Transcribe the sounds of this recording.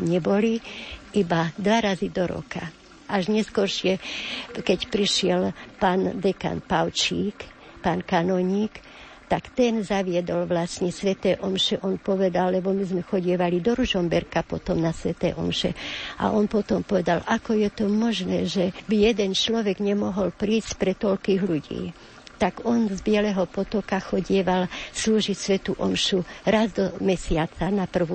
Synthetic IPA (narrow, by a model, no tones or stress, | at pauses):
ɲɛbɔliibad̪ʋaɾazid̪ɔɾɔ̰ka | ʔaʒɲɛskɔɾʃɪɛkɛcpɾiʃɪɛlpaːnd̪ɛka̰nt̪pawt͡ʃiːk | paːnkanɔɲiːk | t̪akt̪ɛnzaʋɪɛd̪ɔlʋlasɲɛsʋɛt̪ɛːʔɔmʃɛʔɔnpɔʋɛd̪alːɛbɔmizmɛxɔɟɪɛʋalid̪ɔɾuʒɔmbɛɾkapɔt̪ɔmnasʋɛt̪ɛ̰ːʔɔ̰mʃɛ̰ʔa̰ʔɔnpɔt̪ɔmpɔʋɛd̪alʔakɔjɛt̪ɔmɔʒnɛːʒɛbijɛd̪ɛnt͡ʃlɔʋɛɡɲɛmɔɦɔlpɾiːscpɾɛt̪ɔʎkiːɣluɟḭː | t̪aɡɔnzbɪɛlɛɦɔpɔt̪ɔkaxɔɟɪɛʋalsluːʒicsʋɛt̪uʔɔmʃuɾazd̪ɔmɛsɪat͡sanapr̩ʋu